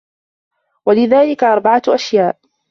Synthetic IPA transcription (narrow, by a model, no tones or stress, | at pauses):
walɪðaːlɪkaʔɑɾˤbaʕaʔaʃjaːʔ